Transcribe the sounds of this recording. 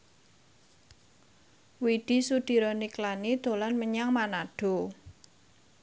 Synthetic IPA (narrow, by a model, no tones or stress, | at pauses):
wid̪̥i̤sud̪̥i̤ɾɔniklanid̪̥o̤lanməɲaŋmanaɖ̥o̤